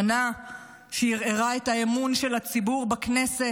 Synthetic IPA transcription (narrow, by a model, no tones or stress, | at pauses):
na | ʃejiʁeʁaetaemunʃe̞lat͡sibuʁbakne̞se